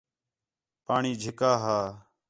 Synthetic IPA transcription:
paːɳiːd͡ʒʱɪkaːɦaː

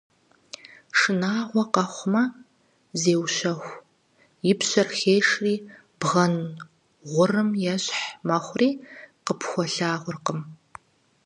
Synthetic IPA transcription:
ʂɨnaːʁʷɔqɐχʷmɐ | zeːwɕɐxʷ | jɪpɕɐrxeːʂriː | b̥ʁɐn | ʁʷʊrɨmjɛɕħmɐχʷriːqəpʰxʷɔɬaːʁʷʊrqəm

